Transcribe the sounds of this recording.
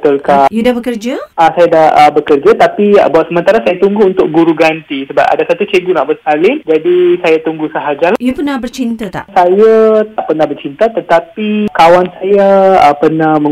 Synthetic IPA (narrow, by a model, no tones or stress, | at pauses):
t̪ʊlkajudabəkərd͡ʒaasajadahəbəkərd͡ʒat̪apḭbuat̪səmə̃nt̪aɾasajat̪uŋɡuːnt̪ʊk̚ɡuɾuɡant̪isəba̰pa̰dasat̪ut͡ʃeɡunaʔbəskalɪnd͡ʒadisajat̪uŋɡusəɦad͡ʒaljupərnahbərt͡ʃint̪at̪a̰ʔsajat̪aʔpərnahbərt͡ʃint̪at̪ət̪apikawansajapərnahmə̃